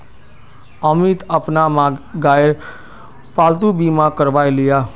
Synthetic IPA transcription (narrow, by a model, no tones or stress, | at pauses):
əmit̪əpnamãɡaeɾ | palt̪ubimãkəɾʋajlija